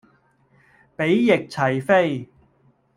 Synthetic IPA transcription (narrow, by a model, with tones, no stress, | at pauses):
pe˨˥jːɪ˨k̚t͡sʰɐ˨˩jfe˥j